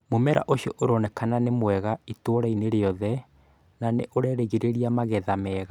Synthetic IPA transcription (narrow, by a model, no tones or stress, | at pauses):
momɛɾa̰ʔoɕiɔʔoɾɔnɛkananemwɛɣaitwoɾaineɾeɔðɛ | nanḛʔoɾɛɾeɣiɾeɾiamaɣɛðamɛːɣa